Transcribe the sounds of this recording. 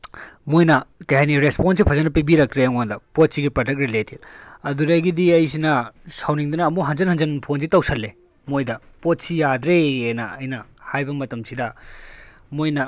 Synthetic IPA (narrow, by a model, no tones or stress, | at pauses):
mojnɐkɐjhɐniɾesponsipʰɐzɐnːɐpibiɾɐk̚t̪ɾeŋondɐpot̚siɡipɾɐdɐk̚t̚ɾileted̚ɐduɾɐjɡidiɐjsinɐsɐwniŋdunɐːmuɦɐnzɐnhɐnzɐnpʰonzitɐwsɐlːe | mojdɐ | pot̚sijad̪ɾeːnɐ̰ɐjnɐhajbɐmɐtɐmsʰidɐ | mojnɐ